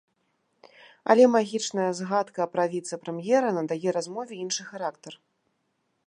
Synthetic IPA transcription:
ɐ̰lʲɛmaɣʲit͡ʂnɐjɐzɣat̪kɐːpɾavʲit̪sɐpɾɛmjɛɾɐnɐd̪ajɛɾazmɔvʲɛinʂɨxaɾakt̪ɐr

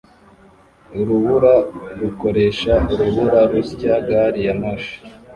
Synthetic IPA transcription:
uɾuβuɾaɾuko̞ɾeʃauɾuβuɾaɾuɾɟaɡaɾijamaʃi̥

